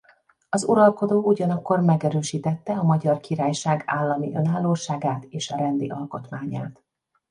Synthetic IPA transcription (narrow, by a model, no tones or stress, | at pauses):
ɒzuɾɒlko̞d̪oːuɟɒnɒkːo̞rmɛɡɛɾøːʃiːt̪ɛt̪ːɛɒmɒɟɒrkiɾaːjʃaːɡaːlːɒmiʔø̞naːlːoːʃaːɡaːt̪eːʃɒɾɛnd̪ḭʔɒlko̞t̪maːɲa̰ːt̪